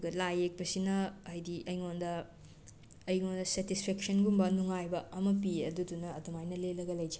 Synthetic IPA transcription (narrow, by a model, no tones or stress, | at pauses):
ɡɐlajek̚bɐsinɐajdiʔɐjŋondɐ | jŋondɐsetispʰeksɐnɡumbɐnuŋajbɐɐmɐpiɐ̰dudunɐɐdumajnɐlelɐɡɐlɐjd͡ʒi̥